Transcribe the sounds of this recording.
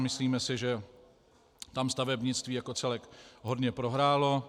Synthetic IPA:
mɪsliːmɛsɪʒɛ | t̪amst̪avɛbɲɪt͡st̪viːjako̞t͡sɛlɛkɦod̪ɲɛpɾo̞ɦɾaːlo̞

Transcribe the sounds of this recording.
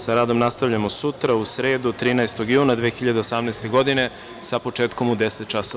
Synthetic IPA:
saɾaːd̪o̞mnast̪aʋʎamo̞sut̪ɾausɾe̞ːd̪ut̪ɾiːnaest̪o̞ɡjuːnad̪ʋeːxiʎad̪eosamnɛːst̪e̞ɡo̞d̪ine̞ | sapo̞t͡ʃeːt̪ko̞mud̪eset̪̚t͡ʃaso

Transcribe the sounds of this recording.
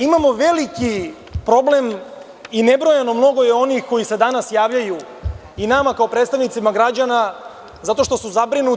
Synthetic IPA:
imamo̞ʋe̞liki | pɾo̞ble̞m | ine̞bɾo̞jano̞mno̞ɡo̞jeo̞nixko̞jise̞d̪anasjaːʋʎaju | inamakao̞pɾet̪st̪aʋnit̪simaɡɾad͡ʑana | zat̪o̞ʃt̪o̞suzabɾinu

